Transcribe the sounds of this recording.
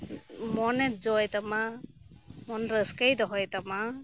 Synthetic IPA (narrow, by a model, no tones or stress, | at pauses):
mɔnɛt̚zɔjt̪ama | mɔnɾəskajd̪ɔɦɔjt̪ama